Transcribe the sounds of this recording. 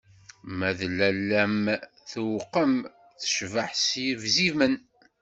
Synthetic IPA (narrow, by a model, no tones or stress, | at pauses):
mæðlːælːæm | θwqːəm | θə̥ʃvəħsjəvzimən